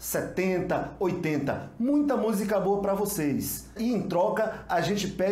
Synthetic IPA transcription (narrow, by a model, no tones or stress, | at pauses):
sɛt̪ẽnt̪ɐojt̪ẽnt̪ɐmũj̃t̪ɐmuzikɐboɐpɾɐvosejsɪẽj̃t̪ɾɔkɐaʒẽnt͡ʃɪpɛ